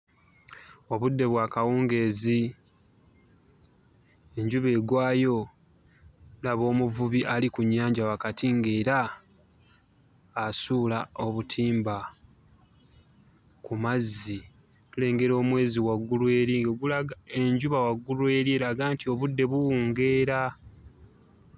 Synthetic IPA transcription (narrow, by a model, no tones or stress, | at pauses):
o̞βudːe̞βwaːkawuːŋɡe̞ːzi | e̞ɲɟuβe̞ːɡwaːjo̞ | laβo̞ːmuvuβiʔalikuɲːaːɲɟawakatiŋɡeːɾa | sulao̞βutʰiːmba | kumazːi | tule̞ːŋɡe̞ɾo̞ːmwe̞ːziwaɡːulwe̞ːɾiɡoɡulaɡae̞ɲɟuβawaɡːulwe̞ːɾieɾaɡaːntio̞βudːe̞βuwuːŋɡe̞ːɾa